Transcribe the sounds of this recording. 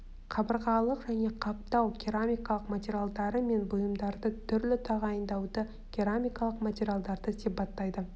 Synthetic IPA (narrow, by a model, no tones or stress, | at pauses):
qʰɑbəɾʁɑlˠəqʒæne̞qʰɑp̚t̪ɑwkʲiɾamʲijkɑlˠəqmat̪ʲeɾʲijalˠd̪ɑɾəme̞nbʊjəmd̪ɑɾd̪ət̪ʰʏɾlɪt̪ʰɑʁɑjənd̪ɑwd̪ə | kʲʰeɾamʲijkɑlˠəqmatʲeɾʲijalˠd̪ɑɾd̪əsijpɑt̪ːɑjd̪ə